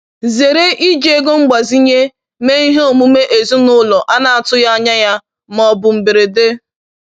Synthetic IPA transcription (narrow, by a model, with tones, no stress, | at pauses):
ze˨ɾe˦ʔi˦d͡ʒe˨e˦ɡo˦ŋ͡m̩˦ɡ͡ba˨zi˦ɲe˦ | me˦i˦ɦe˦o˨mu˦me˦ʔe˨zu˦nʊ˦lɔ˨ʔa˦na˨a˨tʊ˦ja˦a˦ɲa˦ja˦ | m˨ɔ˨bʊ˨m̩˨be˨ɾe˨de˦